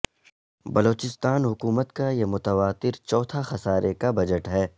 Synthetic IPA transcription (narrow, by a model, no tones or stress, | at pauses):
bɐloːt͡ʃɪst̪aːnɦʊkuːmət̪kajemʊt̪əʋaːt̪ɪɾt͡ʃɔːt̪ʰaxɐsaːɾʔekabɐd͡ʒəʈɦɛː